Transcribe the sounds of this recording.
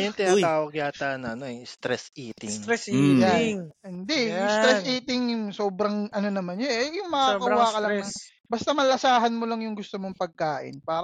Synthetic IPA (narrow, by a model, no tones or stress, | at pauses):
jʊŋt̪ɪnaatt̪aːwɐɡ̚jaːt̪anɐʔɐnoɛst̪ɾɛsʔiːt̪ɪŋɾɛsjaŋɪnd̪ɛjʊŋst̪ɾɛsʔiːt̪ɪŋjʊŋsoːbɾɐŋʔɐno̞nɐmanɲojʊŋmɐkakɐwakɐlɐŋɐ | bɐst̪ɐmɐlɐsaːɦɐnmolɐŋjʊŋɡʊst̪omoŋpɐɡ̚kaːʔɪ̰npaːɾ